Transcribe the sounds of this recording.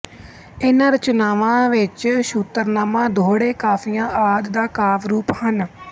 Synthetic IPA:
ɪnãːɾət͡ʃnaːʋãːʋɪt͡ʃʃuːt̪ːəɾnaːmãːd̪ʱoːɽeːkaːfʰiːãːʔaːd̪d̪aːkaːʋɾuːphən

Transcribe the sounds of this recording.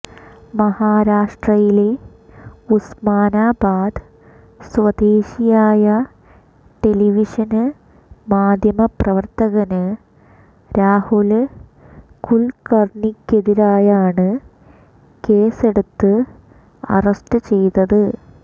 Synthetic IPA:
mɐhaːɾaːʂʈrɐjile̞ | usmaːnaːbaːd̪ | sʋɐd̪eːɕijaːjɐ | ʈe̞liʋiʂɐnɨ | maːd̪ʱjɐmɐprɐʋɐrt̪ɐɣɐnɨ | ɾaːhul | kuɭkɐrɳikʲːe̞ðiɾaːjaːɳɨ | ke̞ːse̞ɽut̪ːɨ | ɐ̰rɐsʈɨt͡ɕe̞jt̪ɐðɨ

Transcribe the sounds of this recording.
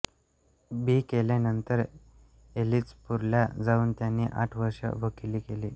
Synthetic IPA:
biːkelanənt̪əɾ | eliːt͡spuɾljad͡zauːnt̪janːiːʔaʈʰʋəɾʂə̰ʋəkiliːkeliː

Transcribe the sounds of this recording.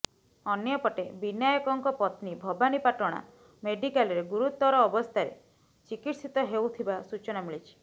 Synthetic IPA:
ɔnjɔpɔʈebinjajɔkɔŋkɔpɔt̪nibʱɔbanipaʈɔɽ̃a̰ | meɖikalɔɾeɡuɾut̪ːɔɾɔːbɔst̪ʰaɾḛ | t͡ʃikiʈsit̪ɔɦewt̪ʰibasut͡ʃɔnamiɭit͡ʃʰi̥

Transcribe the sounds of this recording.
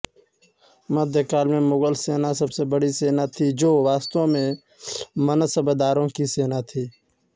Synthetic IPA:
məd̪ʱjəkaːlmẽːmoːɡəlseːnaːsəbseːbəɽiːseːnaːt̪ʰiːd͡ʒoːʋaːst̪õːmẽː | mənəsəbəd̪aːɾõːkiːseːnaːt̪ʰiː

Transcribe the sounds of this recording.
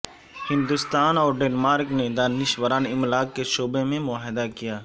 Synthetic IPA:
hɪ̃nd̪ʊst̪aːnɔːɾɖeːnmaːɾkned̪aːnɪʃʋəɾaːnɪmlaːɡkeʃoːbemẽmʊaːɦɪd̪akijaː

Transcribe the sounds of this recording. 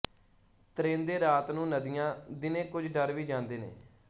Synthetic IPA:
t̪ɾẽːnd̪eːɾaːt̪nũːnəd̪ɪjãːd̪ɪnẽːkʊd͡ʒɖəɾʋiːd͡ʒãːnd̪eːnḛː

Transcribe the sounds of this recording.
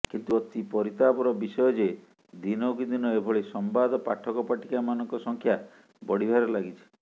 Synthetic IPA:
kint̪uɔt̪ipɔɾit̪abɔɾɔbisɔjɔd͡ʒe | d̪inɔkid̪inɔebʱɔɭesɔmbad̪ɔpaʈʰːɔkɔpaʈikamanɔŋkɔsɔŋkʰja | bɔɽibʱaɾɔlaɡit͡ʃʰi̥

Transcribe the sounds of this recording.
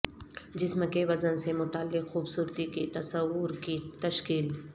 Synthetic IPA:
d͡ʒɪsmkeʋɐzənsemʊt̪aːlːɪqxuːbsuːɾt̪ikit̪ɐsəwʊɾkit̪ɐʃkiːl

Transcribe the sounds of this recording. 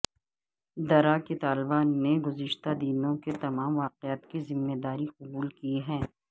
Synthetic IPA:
d̪ɐɾaket̪aːlbaːnːeɡʊzɪʃt̪ad̪inõket̪ɐmaːmʋaːqeaːt̪kizɪmːed̪aːɾiqʊbuːlkiɦɛ̃ː

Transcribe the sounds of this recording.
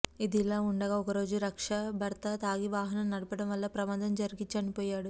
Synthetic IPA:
id̪iːlaːuɳɖɐɡaːɔkɐɾo̞ːd͡ʒuɾɐkʂɐbʱɐɾt̪ɐt̪aːɡiʋaːɦɐnɐmnɐɽupɐɽɐmʋɐlːɐpɾɐmaːd̪ɐmd͡ʒɐɾiɡit͡ʃɐnipɔːjaːɽu

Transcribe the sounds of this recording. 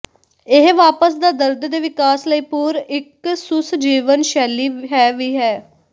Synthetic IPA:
ɪɦʋaːpəsd̪aːd̪əɾd̪d̪eːʋɪkaːsləiːpʊːɾɪksʊsd͡ʒiːʋənʃɛːliːɦɛːʋiːɦɛː

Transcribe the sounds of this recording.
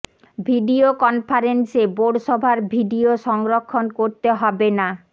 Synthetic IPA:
bʱiɖiokɔnfʰaɾenseboɾɖʃɔbʱaɾbʱiɖioʃɔŋɾokʰːonkoɾt̪eɦɔbena

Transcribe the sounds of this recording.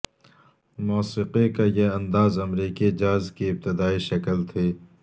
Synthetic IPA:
moːsiqekajeɐ̃nd̪aːzɐmɾiːkid͡ʒaːzkiɪb̚t̪ɪd̪aːiʃɐkəlt̪ʰeː

